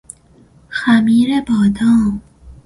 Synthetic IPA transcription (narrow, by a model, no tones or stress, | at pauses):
xamiːɾebɒːd̪ɑm